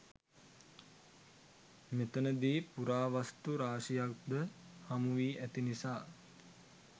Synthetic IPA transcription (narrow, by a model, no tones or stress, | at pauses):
met̪ənəd̪iːpuɾaːʋast̪uɾaːʃijak̚d̪əhamuʋiːʔæt̪inisaː